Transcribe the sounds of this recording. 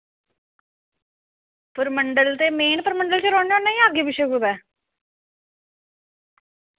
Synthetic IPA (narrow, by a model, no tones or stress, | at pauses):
pəɾməɳɖəlt̪eːmeːnpəɾməɳɖəlt͡ʃəɾɔːɳd͡ʒaːnːaːĩːaːɡiːbɪʃeɡuːbɛː